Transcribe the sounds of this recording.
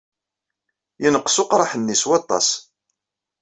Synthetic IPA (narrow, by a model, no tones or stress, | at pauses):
jənəqːsʊqɾˤɑħənːiswɑt̪ˤːɑ̰s